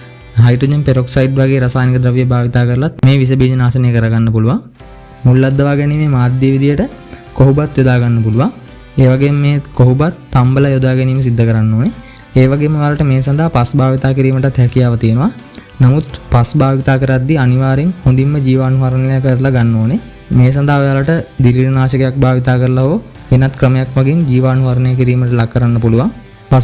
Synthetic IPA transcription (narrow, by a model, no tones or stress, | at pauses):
ɦajɖɾod͡ʒənpeɾoksajiʈʋaɡeːɾasaːnikəd̪ɾəʋijəbaːʋit̪aːkəɾəlat̪̚meːʋis̬əbiːd͡ʒənaːsənejəkəɾaɡanːəpuluʋaŋ | mulːad̪ːəʋaːɡɛniːmeːmaːd̪jəʋid̪ijəʈə | koɦubat̪jod̪aːɡanːəpuluʋaŋ | eːʋaɡemmeːkoɦubat̪ːambəlajod̪aːɡɛniːməs̬id̪ʱːəkəɾanːoːne | eːʋaɡeːməʋalaʈəmeːsand̪ʱaɦapasbaːʋit̪aːkiɾiːməʈat̪hɛkijaːʋət̪ijenəʋa | namut̪pasbaːʋit̪aːkəɾad̪ːianiʋaːɾeŋhond̪imːəd͡ʒiːʋaːnuɦaɾənelejakəɾlaɡanːoːne | meːs̬and̪aɦaʋejalaʈəd̪iliɾnaːʃəkejak̚baːʋit̪aːkəɾəlaɦoː | ʋenat̪kɾəməjakʋaɡend͡ʒiːʋaːnuɦaɾənejək̬iɾiːməʈəlakːəɾanːəpuluʋaŋ | pa